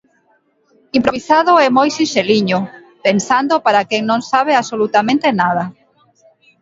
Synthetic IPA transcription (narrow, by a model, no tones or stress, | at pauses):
impɾoβisaðʊɛmojsinʃeliɲʊ | pensand̪opaɾakɛŋnõŋsaβ̞easolut̪amẽnt̪enað̞a